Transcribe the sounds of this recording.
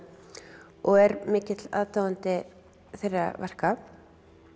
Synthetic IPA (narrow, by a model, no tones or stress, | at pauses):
ɔɣɛɾmɪːcɪt̪la̰ðt̪aːwant̪ɪ | θejrːavɛr̥kap